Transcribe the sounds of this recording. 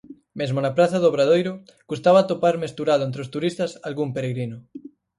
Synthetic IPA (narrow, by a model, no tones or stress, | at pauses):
mezmonapɾaθaðoβɾaðojɾo | kust̪aβat̪opaɾmest̪uɾaðoent̪ɾeost̪uɾist̪asalɣumpeɾeɣɾinʊ